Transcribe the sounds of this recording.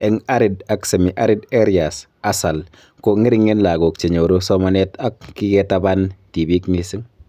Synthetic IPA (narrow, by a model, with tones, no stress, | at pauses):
ɛ˨ŋa˦ɾɪ˨da˨kse˨mi˨ʔa˦ɾɪ˦de˦ɾia˨s | a˦sa˨l | ko˦ŋɪ˦ɾɪ˦ŋːe˦nla˨ɡo˨k̚t͡ʃe˨ɲo˨ɾo˦sɔ˦ma˨nɛ˦ta˦kːi˦ɡɛ˦ta˦ba˦nti˨bi˦kni˦sɪ˦ŋ